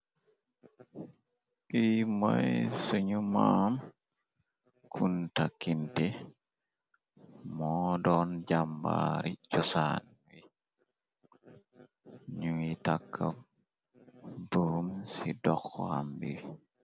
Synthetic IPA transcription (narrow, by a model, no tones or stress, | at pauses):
ʔimajjsuɲumam | kʰuntakːintɛ | mɔdɔnd͡ʒamba̰ɾit͡ʃɔsan | wi | ɲuitakʰːam | buɾumsidɔxːɔ̰ha̰mbiwi